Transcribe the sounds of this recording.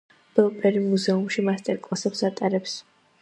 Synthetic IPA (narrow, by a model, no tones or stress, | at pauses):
b̥ɛlˠpʼɛɾimuzɛumʃimast̪ʼɛɾkʼlˠasɛpsat̪ʼaɾɛps